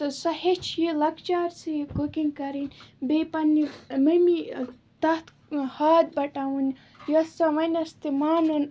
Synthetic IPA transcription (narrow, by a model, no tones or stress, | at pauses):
sɐhet͡ʃʰjelɐkt͡ʃaːɾsikokiŋkɐɾinbepɐnːimɐmi | t̪ɐht̪ | haːd̪̚bɐʈawun | josɐʋɐnʲɐst̪imaːnɨn